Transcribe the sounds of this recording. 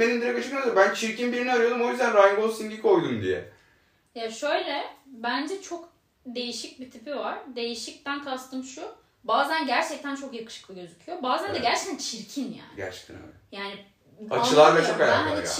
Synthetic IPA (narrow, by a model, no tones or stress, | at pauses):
enimd̪iɾɛkat͡ʃʰɯknabænt͡ʃʰiɾcinbiɾiniaɾɯjo̞d̪umo̞jyzd̪ænɾajŋɡosind̪iko̞jd̪umd̪ḭjɛ̰ | jaʃø̞jlʲɛbænd͡ʒɛt͡ʃʰo̞k | d̪e̞jiʃic̚bit̪ʰipivaɾ̥d̪e̞jiʃic̚t̪ʰænk̪ʰast̪ʰɯmʃu | baːzænɟæɾt͡ʃʰɛc̚t̪ʰænt͡ʃʰo̞kjakɯ̥ʃɯ̥klˠɯɟøzycʰyjo̞baːzænd̪ɛɟæɾt͡ʃʰɛ̥c̚t̪ʰænt͡ʃʰiɾcʰinja̰ːnɟæ̰ɾt͡ʃʰɛ̥k̚t̪ʰæ̰nø̰ljaːni | at͡ʃʰɯlˠaɾbɛt͡ʃʰokalʲa̰ɾeij